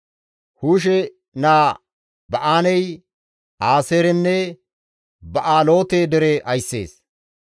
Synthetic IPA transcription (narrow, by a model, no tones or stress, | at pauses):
huːʃ̬ɛ | naː | bɐʔaːnɛj | aːseːɾɛnːɛ | bɐʔaːlo̞ːt̪eːd̪ɛɾeʔɐjsːḛːs